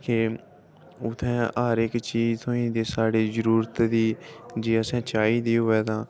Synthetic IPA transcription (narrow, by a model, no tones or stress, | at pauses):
keː | ʊt̪ʰːɛ̃ːəəɾɪkt͡ʃiːzt̪ʰõːĩːd̪eːsaːɽeːzəɾuːɾət̪d̪iːd͡ʒeːəsɛ̃ːt͡ʃaːiːd̪iːɦʊʋɛːt̪ãː